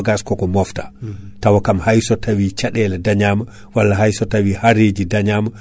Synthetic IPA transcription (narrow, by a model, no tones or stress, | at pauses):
ɡaskɔkɔmɔftḁtawakamhajsɔtawit͡ʃaɗɛlɛdaɲaːma | walːaɦajsɔtawihaɾed͡ʒidaɲaːma